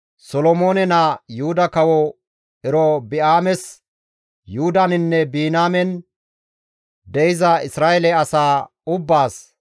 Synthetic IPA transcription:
sɔlɔmoːnɛnajʊhʊd̪ɐkɐwɔ | ɛɾɔbɪaːmɛs | juʊd̪anɪnːɛbiːnaːmɛn | d̪ɛjɪzɐɪsɾaːjɛlɛɐsaː | ʊbːaːs

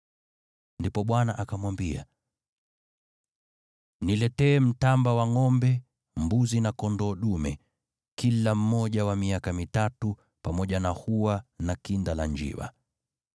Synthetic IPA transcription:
ndipɔɓwanaʔakamwambia | nilɛtɛːm̩tambawaŋɔmbɛ | mbuzinakɔndɔːɗumɛ̰ | kilam̩mːɔʄawamiakamitatu | pamɔʄanahuwanakindalaɲd͡ʒḭwa̰

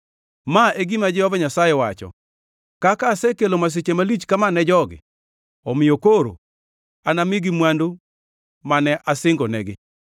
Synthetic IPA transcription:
maeɡimad͡ʒɪɔvɛɲasajɛwat͡ʃɔ̰ | kakasɛkelomas̬et͡ʃemalit͡ʃkamanɛd͡ʒɔɡɪ̰ | ɔmɪjokoɾo̰ | anamɪɡimwandu | manɛʔasɪŋɡɔnɛɡɪ

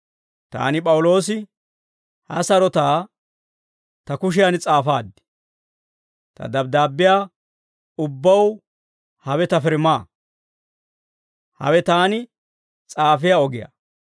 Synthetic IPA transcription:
t̪a̰ːnɪpʼɐwʊlo̞ːsɪ | hɐ̰sɐɾɔt̪aː | t̪ɐkʊʃ̬ɪjant͡sʼaːfaːd̪ːɪ̥ | t̪ɐ̰d̪ɐb̚d̪aːbːɪjaː | ʊbːɐw | hɐwɛt̪ɐfɪɾmaː | hɐ̰wɛt̪aːnɪ | t͡sʼaːfɪjaːɔɡɪja̰

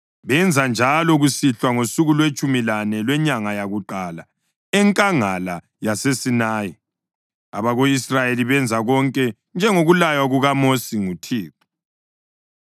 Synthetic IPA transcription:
βɛnd͡zʱand͡ʒʱalɔɣusiɬwaŋosuɣulwet͡ʃʼumilanɛlwɛɲaŋajaɣuǃala | ɛŋkʼaŋala | jasesinaːji | a̰βaɣoisrajeliβɛnd͡zʱaɣɔŋkʼɛ | nd͡ʒʱɛŋoɣulajwaɣuɣamosiŋutʰiːtu̥

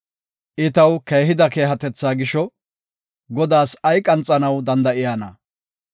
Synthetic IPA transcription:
ʔɪt̪ɐwkeːɦɪd̪ɐke̞ːɦɐt̪ɛt͡sːaːɡɪʃɔ | ɡɔd̪aːsɐjkʼɐnt͡sʼːɐnɐwd̪ɐnd̪ɐʔɪjanɐ̰

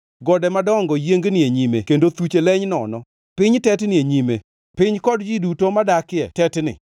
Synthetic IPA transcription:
ɡɔdɛmadɔŋɡɔjeŋɡnɪeɲimekendot̪ut͡ʃelɛɲnɔ̰nɔ | pɪɲtɛtnɪeɲime | pɪɲkɔdd͡ʒidutomadakɪɛ̰tɛtnɪ̰

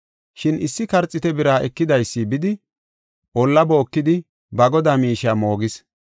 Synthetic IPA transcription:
ʃɪnɪsːɪkɐɾt͡sʼːɪt̪ɛbɪɾaːʔɛkːɪd̪ɐjsːiːbɪd̪ɪ | ʔɔlːɐboːkːɪd̪ɪ | bɐɡɔd̪aːmiːʃaːmo̞ːɡɪs

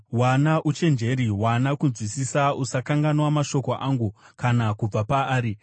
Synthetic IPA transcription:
wanaʔut͡ʃe̞nd͡ʒe̞ɾiwanakunzwisisausakaŋɡanwamaʃo̞ko̞ʔaːŋɡukanakub͡vapaːɾi

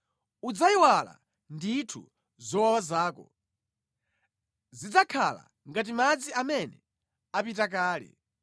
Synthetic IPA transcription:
ud͡zaiwala̰ | nditʰṵ | zɔwawazaːkɔ | zid͡zakʰala̰ | ŋɡat̬imad͡ziamɛnɛ | apitakaːlɛ̰

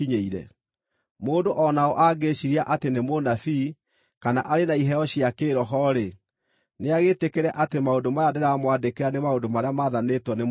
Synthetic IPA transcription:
iɲeiɾɛ̰ | moːdoʔɔnaoʔaɡeɕiɾiaʔatenemonafi | kanaʔaɾenaiɦɛɔɕiakeːɾɔɦɔɾe | neaɣetekeɾɛʔatemaodomajadeɾamwadekeɾanemaodomaɾeamaðanetwɔne

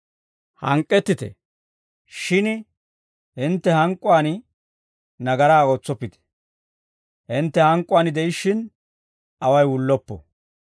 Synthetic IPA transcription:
hɐ̰ŋkʼːɛt̪ːɪt̪ɛ̰ | ʃɪn | hɪnt̪ːɛhɐŋkʼːʊaːnɪ | nɐɡɐɾaːoːt͡sːɔpːɪt̪ɛ̥ | hɪnt̪ːɛhɐŋkʼʊwaːnɪd̪ɛjɪʃːɪn | ɐwɐjwʊlːɔpːɔ̰

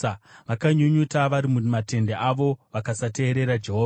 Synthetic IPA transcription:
ʋakaɲuɲutaʋaɾimumate̞ndeʔaʋo̞ʋakasate̞ːɾe̞ɾad͡ʒe̞ɦoːa

